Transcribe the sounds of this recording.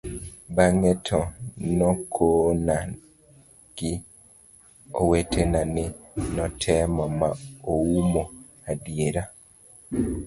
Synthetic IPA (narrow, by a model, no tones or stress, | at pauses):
baŋɛtʰɔnɔkʰona | ɡ̥ɪ | owetʰenanɪ | nɔtʰɛmɔmaoumo | adijeɾa